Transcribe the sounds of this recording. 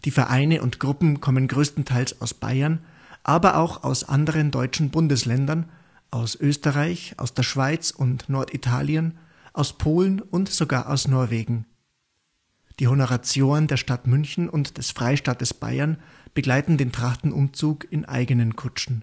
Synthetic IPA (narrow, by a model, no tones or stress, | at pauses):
d̥iːfɛɐʔaɪnəʔʊntɡ̥ʁʊpm̩kʰɔmənɡʁøːstn̩tʰaɪlsa̰ʊsb̥a̰ɪɐn | ʔaːbɐʔa̰ʊxa̰ʊsʔa̰ndəʁ̞əndɔʏt͡ʃn̩bʊndəslɛndɐn | ʔaʊsʔøːstəʁaɪça̰ʊsd̥eːɐʃv̥aɪt͡sʊntnɔɐtitʰa̰ːljən | ʔaʊspʰoːlənʊntz̥oɡa̰ːɐʔaʊsnɔɐveːɡŋ̩ | d̥iːhonoʁat͡sjoːnəndeːɐʃtatmʏnçn̩ʊntd̥ɛsfʁ̥aɪʃtaːtəsb̥a̰ɪɐn | b̥əɡlaɪtn̩deːntʁ̥aχtn̩ʔʊ̰mt͡suːkɪnʔa̰ɪɡənənkʰʊt͡ʃn̩